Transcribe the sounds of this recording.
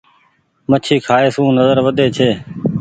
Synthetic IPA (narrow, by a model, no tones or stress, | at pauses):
mət͡ʃʰiːkʰaːeːsũːnəzəɾʋəd̪eːt͡ʃʰeː